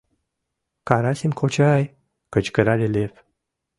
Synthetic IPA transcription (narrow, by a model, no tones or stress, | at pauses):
kaɾasinkʰot͡ʃaj | kət͡ʃkəɾalelef